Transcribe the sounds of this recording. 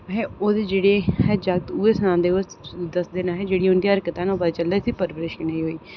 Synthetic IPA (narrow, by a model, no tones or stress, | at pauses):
ɦeːoːd̪eːd͡ʒeːɽeːhɛːd͡ʒəɡ̚t̪uːeːsənãːnd̪eːo | d̪əsd̪eːnaːɦɛːd͡ʒeːɽiːʊnd̪iːəɾkət̪ãːnoːpət͡ʃəld̪aːsiːpəɾbɾɪʃkneːiːɦoːiː